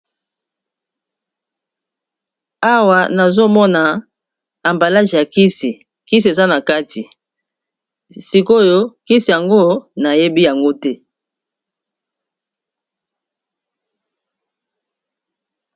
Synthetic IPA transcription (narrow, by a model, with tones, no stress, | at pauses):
a˦wa˨na˨zo˦mɔ˦na˨ | a˨mba˨la˦ʒi˨ja˨ki˦si˨ | ki˦si˨e˨za˦na˨ka˦ti˨ | si˨ko˦jo˦ki˦si˨ja˨ŋɡo˦na˨je˦bi˦ja˨ŋɡo˦tɛ˦